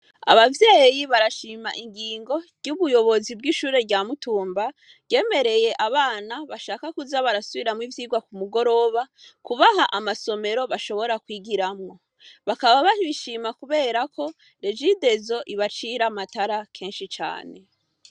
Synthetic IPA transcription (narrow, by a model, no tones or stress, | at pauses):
a̰βavje̞ːjiβaɾaʃiːmaʔiŋɡiːŋɡo̞ | ɟuβujo̞βo̞zibɡiʃuːɾe̞ɾɟaːmutuːmba | ɟe̞ːme̞ɾe̞je̞ʔaβaːnaβaʃaːkakuzaβaɾasuβiɾamŋivjiːɡwakumuɡo̞ɾo̞βakuβaɦaʔamaso̞me̞ɾo̞βaʃo̞βo̞ɾakwiːɡiɾamŋo̞ | βakaβaβahiiʃiːmakuβe̞ːɾakʰo̞ | ɾe̞d͡ʒide̞zo̞ʔiβat͡ʃiɾamataɾakʰe̞ːnʃit͡ʃa̰ːne̞